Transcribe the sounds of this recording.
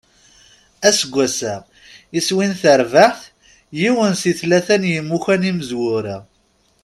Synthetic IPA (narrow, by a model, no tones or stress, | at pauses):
æsəɡʷːæsæ | iswinθəɾvaħθ | jiwənsiθlæθænjəmːuçæniməzwʊɾa